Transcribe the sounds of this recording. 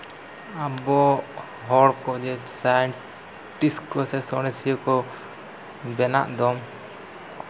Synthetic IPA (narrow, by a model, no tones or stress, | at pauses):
abɔ | ɦɔɽkɔd͡ʒɛsajɛɳ | ʈiskɔsɛsɔɽ̃ɛsijɔkɔ | bɛna̰ʔd̪ɔm